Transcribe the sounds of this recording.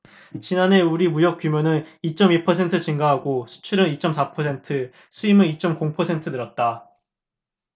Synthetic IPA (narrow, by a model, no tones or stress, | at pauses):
t͡ɕinane̞uɾimujʌk͈jumjonɯnit͡ɕ͈ʌmiɭpʰʌsʰe̞ntʰɯt͡ɕiŋɡaɦaɡosʰu̥t͡ɕʰiɾɯnit͡ɕ͈ʌmsʰapʰʌsʰe̞ntʰɯ | sʰuimɯnit͡ɕ͈ʌmkoŋpʰʌsʰe̞ntʰɯdɯɾʌt̚t͈a